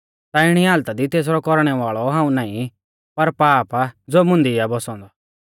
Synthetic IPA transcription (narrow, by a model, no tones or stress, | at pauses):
t̪aɪɽ̃iɦaːlt̪ad̪it̪eːs̬ɾɔkɔɾɽ̃ɛʋaːɭɔɦãːũnaːĩ | pɐɾpaːpad͡zoːmʊ̃nd̪ijabɔsɔ̃ːnd̪ɔ